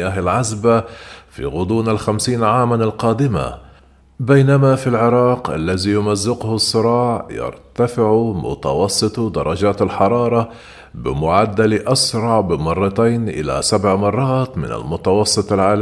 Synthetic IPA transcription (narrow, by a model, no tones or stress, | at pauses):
jaːɦalʕazbafḭɣʊd̪ˤuːnalxamsiːnʕaːmanalqɑːd̪ɪma̰ | bajnamafilʕɪɾˤɑːqʔa̰lːaðijʊmazːɪqʊhsˤːɨɾˤɑːʕjɑ̰ɾt̪afɪʕmʊ̰t̪ɑ̰wɑsˤːɨt̪ˤd̪ɑɾˤːɑd͡ʒaːt̪alħɑɾˤɑːɾˤɑ | bɪ̰mʊʕad̪ːalʔasɾˤɑʕbɪmɑrˤːɑt̪ajnʔɪ̰la̰sabʕmɑrˤːɑːt̪mɪ̰na̰lmʊt̪ɑwɑsˤːɨt̪ˤalʕaːl